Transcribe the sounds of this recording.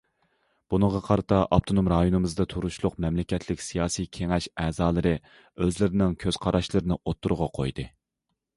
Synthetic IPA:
b̥unəʁɑqʰɑɾɨt̪ʰɑʔɑp̚t̪ʰonomɾɑjonɨmɨzd̪ɑt̪ʰuɾuʃlˠʊqmɛmlɪkʲɛt̪ʰlɪkʲsijɑːsikʲʰeŋɛʃɛːzɑːlˠɨɾɨ | øzlɪɾɪnɪŋkʲʰøz̥qʰɑɾɑʃlˠɨɾɪnɨʔot̪ʰːuɾʁɑqʰo̰jd̪ɨ

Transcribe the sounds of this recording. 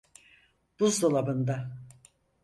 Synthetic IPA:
d̪̥uzd̪olˠabɯnd̪a

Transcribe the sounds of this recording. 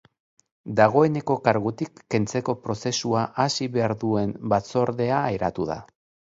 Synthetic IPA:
d̪aɣ̞o̞e̞ne̞ko̞kaɾɣut̪ikːe̞nt͡se̞ko̞pɾo̞se̞suaʔasiβe̞aɾðue̞mbat͡so̞ɾðe̞aːjɾat̪uð̞a̰

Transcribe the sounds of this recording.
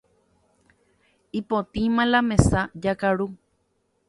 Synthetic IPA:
ipot̪ĩmãlamẽsad͡ʒakaɾu

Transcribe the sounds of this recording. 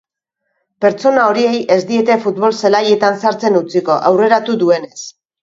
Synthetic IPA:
pe̞ɾt͡so̞nao̞ɾie̞je̞zd̪ie̞t̪e̞fut̪βo̞lselaje̞t̪ansaɾt͡se̞nut͡siko̞ʔawre̞ɾat̪uðue̞ne̞s

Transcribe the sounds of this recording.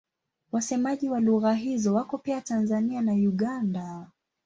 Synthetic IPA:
wasɛmaʄiwaluɣaɦizɔwakɔpiatanzanianajuɠanda

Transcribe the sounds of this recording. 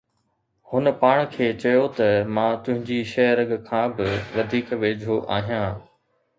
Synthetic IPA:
hʊnəpaːɽ̃kʰeːt͡ɕɐjot̪ɐmãːt̪ʊ̃ɦɪ̃ɲd͡ʑiʃɐɦəɾəɡkʰãːbɪʋɐd̪ʱiːkʋeːd͡ʑʱoʔaːɦijãː

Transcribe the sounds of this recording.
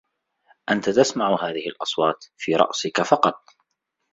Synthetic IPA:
ʔant̪at̪asmaʕʊɦaːðɪhɪlʔɑsˤwɑːt̪fiːɾˤɑ̰ʔsɪkafɑqɑt̪̚ˤ

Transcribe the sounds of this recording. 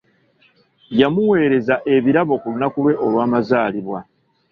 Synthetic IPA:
jamuwe̞ːɾe̞zaʔe̞βiɾaβo̞kulunakulwe̞ʔo̞lwaːmazaːliβwa

